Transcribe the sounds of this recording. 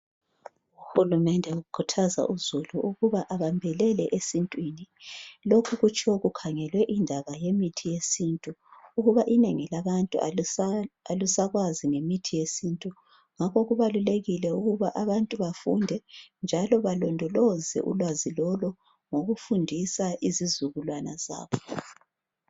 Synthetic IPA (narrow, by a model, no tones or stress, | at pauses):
uxulumɛndʱɛukʰutʰaza̰ʔuzuluʔuɣuβaʔaβambʱɛlɛlɛʔesintʼwinilokʰuɣut͡ʃʰʼɔɣukʰaŋɛlwɛʔindʱaβajemitʰijesintʼuuɣuβaʔineŋilaβantʼṵa | alusaɣwaziŋemitʰijesintʼu | ŋakʰɔɣuβaluleɣilɛuɣuβaʔaβantʼuβafundʱɛnd͡ʒʱalɔβalɔndʱɔlɔzɛ̰ʔṵlwazilɔlɔ | ŋoɣufundʱisaʔizizuɣulwana̰za̰ːβɔ